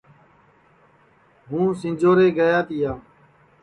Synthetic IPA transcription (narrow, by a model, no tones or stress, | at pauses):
ɦũːsɪ̃d͡ʒoːɾeːɡəjaːt̪ɪjaː